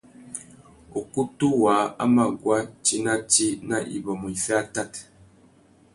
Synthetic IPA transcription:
o˨ku˦tu˦wa˨˦a̰˦ma˨ɡwa˦t͡ʃi˦na˦t͡ʃi˦na˦ʔḭ˨bɔ˨mɔ˨i˨fɛ˦a˦ta˦˨t

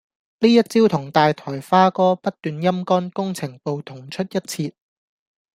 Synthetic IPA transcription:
liː˥jɐ˥t̚t͡siː˥wt̪ʰʊ˨˩ŋt̪aː˨jt̪ʰɔː˨˩jfaː˥kɔː˥pɐ˥t̚t̪yː˨njɐ˥mkɔː˥nkʊ˥ŋt͡sʰɪ˨˩ŋpo˨˧wt̪ʰʊ˨˩ŋt͡ʃʰɵ˥t̚jɐ˥t̚t͡sʰiː˧t̚

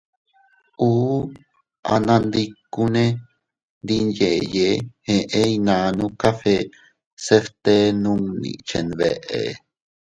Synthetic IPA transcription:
uː˦ | ʔa̰˧nã˧nd̪i˧ku˦nẽ˦ | nd̪i˧nje˨jehẽ˧ʔẽ˦inã˧nũ˦kafe | se˧ft̪e˦nũ˧ŋnḭ̃˧t͡ʃe˨nβḛ˧ʔḛ˨

